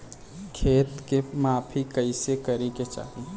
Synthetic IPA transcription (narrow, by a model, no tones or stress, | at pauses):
kʰeːt̪kemaːpʰikəɪsekəɾiket͡ʃa̰ːɦi